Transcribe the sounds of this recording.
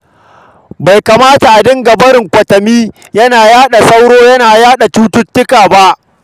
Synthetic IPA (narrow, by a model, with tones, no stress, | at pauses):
ba˨jka˨maː˦ta˨ʔa˨dɪ˦ŋɡɐ˨bɐ˦ɾɪ˨ŋkʷɐ˨tɐ˨miː˦ | jɐ˦naː˨jaː˦ɗa˨sa˦wɽoː˦jɐ˦naː˨jaː˦ɗa˨tuː˦tʊ˦tːɪ˦kaː˨ba˦ʔ